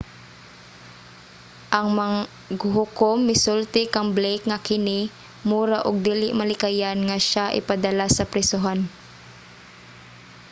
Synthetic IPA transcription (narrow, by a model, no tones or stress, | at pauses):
ʔɐŋma | ɡhʊkomːɪsʊlt̪ɪkaŋblɛjkŋakɪnɪ | muːɾaʔʊɡ̚d̪iːlɪʔmalɪkajanŋaʃaʔɪ̰pad̪ɐlasɐpɾɪsʊɦan